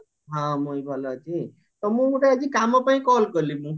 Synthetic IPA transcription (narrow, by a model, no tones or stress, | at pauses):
ɦãmojbʱʌlad͡ʒi | t̪ʌmũuʈad͡ʒikamːãpaĩkɔlkʌlimũ